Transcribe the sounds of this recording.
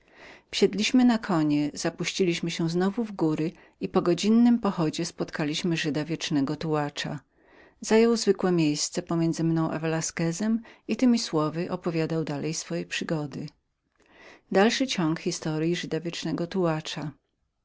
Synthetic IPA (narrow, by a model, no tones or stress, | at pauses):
fɕɛd̪lʲiɕmɘnakʰɔɲɛz̥apuɕt͡ɕilʲiɕmɘɕɛznɔvuvɡuɾɘ | ipɔɡɔd͡ʑinːɘmpɔxɔd͡ʑɛspɔt̪kalʲiɕmɘʐɘd̪avʲjɛt͡ʂnɛɡɔt̪uwat͡ʂa̰ | z̥ajɔwzvɘkwɛmʲjejst̪sɛpɔmʲjɛnzɘmnɔ̃w̃ʔa̰vɛlaskɛzɛmit̪ɘmʲiswɔvɘʔɔpɔvʲjad̪awd̪alɛjsfɔjɛpʂɘɡɔd̪ɘ | d̪alʂɘt͡ɕɔŋkxʲist̪ɔɾjiʐɘd̪avʲjɛt͡ʂnɛɡɔt̪uwat͡ʂa